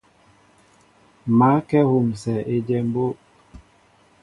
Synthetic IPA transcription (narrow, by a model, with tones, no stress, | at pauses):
ma˨˦kɛ˦hu˨msɛ˨ʔe˦d͡ʒɛ˦m˦bo˦